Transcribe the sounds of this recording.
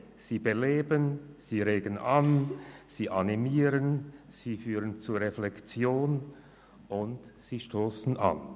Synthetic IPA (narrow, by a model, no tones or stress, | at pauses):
z̥iːbəleːbənz̥iːʁeːɡənʔanz̥iːʔanimiːʁən | z̥iːfyːʁənt͡suːɐʁeflɛkt͡sjoːn | ʔʊntz̥iːʃtoːsn̩ʔa̰n